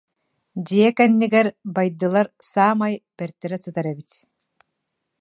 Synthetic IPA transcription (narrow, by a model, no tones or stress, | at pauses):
d͡ʑijɛkɛnːiɡɛɾbajd̪ɯlˠaɾsaːmajbɛɾt̪ɛɾɛt͡sɯt̪aɾɛbit̪